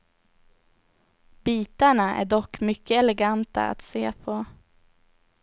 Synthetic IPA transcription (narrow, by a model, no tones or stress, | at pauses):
b̥iːt̪aɳaʔæ̰ɖɔkːmʏkːəɛlɛɡant̪a̰a̰t̪seːpʰɔ